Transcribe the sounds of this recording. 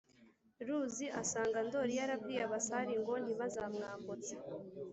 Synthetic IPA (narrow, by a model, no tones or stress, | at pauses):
ɾuziʔasaːŋɡando̞ɾijaɾabɡiːjaβasaɾiŋɡo̞n̥iβazamŋaːkot͡se̥